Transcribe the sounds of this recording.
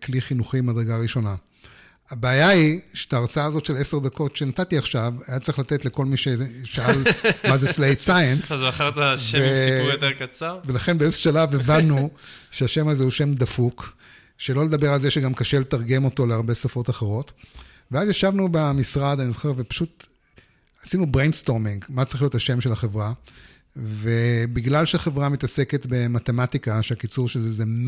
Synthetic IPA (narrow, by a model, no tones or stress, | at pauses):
kliχinuχimad̪ʁeɡaʁiʃo̞na | abeːjaiʃe̥t̪aːʁt͡saaːzo̞tʃele̞se̞ʁd̪ako̞tʃenatatiaχʃavajatt͡sʁiχlat̪e̞tle̞ko̞lmiʃeʃealmazeslejtsajenszaχaʁt̪aʃevejot̪eʁkat͡saʁvelaχe̞nbeezʃalavevanːuʃeaʃe̞mazeuʃe̞md̪afuk | ʃe̞lo̞le̞d̪ɐbe̞ʁalzeʃeɡamkaʃele̞taʁɡe̞mo̞to̞leaʁbe̞safo̞taχeʁo̞t | veazjaʃavnubamisʁad̪anizoχeʁvepḁʃut | asinubʁejnst̪o̞ʁmĩŋɡmat͡sʁiχliothaʃe̞mʃelaχe̞vʁa | vebiɡlalʃeaχe̞vʁamitase̞ke̞tbe̞mat̪e̞matikaʃeakit͡suʁʃezezem